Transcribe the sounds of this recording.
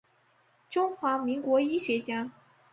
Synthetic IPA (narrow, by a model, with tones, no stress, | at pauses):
ʈ͡ʂʊ˥ŋxwa˧˥mi˧˥ŋkwɔ˧˥i˥ɕɥɛ˧˥t͡ɕja˥